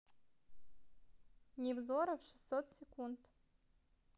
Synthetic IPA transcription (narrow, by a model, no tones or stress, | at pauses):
nʲivzoɾɐvʂɨ̥sot̪sʲekʰʷund̪